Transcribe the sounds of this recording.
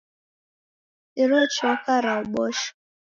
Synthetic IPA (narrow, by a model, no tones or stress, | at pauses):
ɪɾot͡ʃɔkaɾaɔɡ͡bɔʃɔ̥